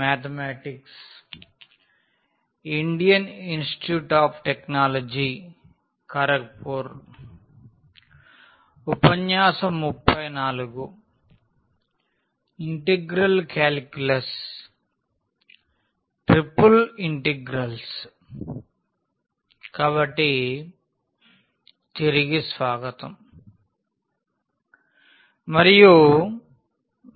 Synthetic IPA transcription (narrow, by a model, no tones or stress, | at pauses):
maːt̪ʰɐmaːʈiks | iɳɖijɐninsʈi̥ʈjuːʈaːpʰʈeknaːlod͡ʒi | kɐɾɐk̚puːɾ | upɐɲjaːsɐmupʰːɐjnaːluɡu | iɳʈeɡɾɐlkaːlkulɐs | ʈɾipːuliɳʈeɡɾɐls | kaːbɐʈːi | t̪iɾiɡisʋaːɡɐt̪ɐm | mɐɾiju